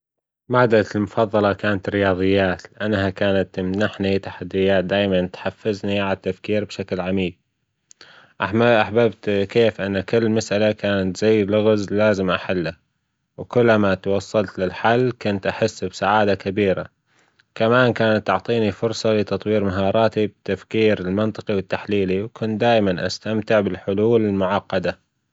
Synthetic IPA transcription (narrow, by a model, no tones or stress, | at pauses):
maʕd̪almʊfɑðˤːɑlɑkaːnat̪ɾɪjɑːðˤɨjːaːt̪lɪʔanːɦakaːnat̪ːmnaħnit̪ḁħad̪ːɪjːaːt̪̚d̪aːjmant̪ħafːɪzniʕalat̪ːafkiːɾbʃaklʕamiːɡ̚ | ʔaħaʔaħbabt̪keːfʔɪnːakɪlːmasʔalakaːnat̪z̥ajːlʊɣzlaːzɪmʔaħalːa | wkʊlːmat̪wɑsˤːɑlt̪lɪlħalːkʊnt̪ʔaħɪsːbsaʕaːd̪akabiːɾa̰ | kamaːnkaːnat̪ːʊʕt̪ˤiːnifʊɾsˤɑlɪt̪ɑt̪ˤwiːɾmaɦɑːɾˤɑːt̪ib̚t̪afkiːɾɪlmɪnt̪ˤɨ̥qiwɪt̪ːaħliːliwkʰʊnt̪̚d̪aːʔmanʔa̰st̪amt̪ɪʕbɪlħʊluːlɪlmʊʕɑqːɑd̪a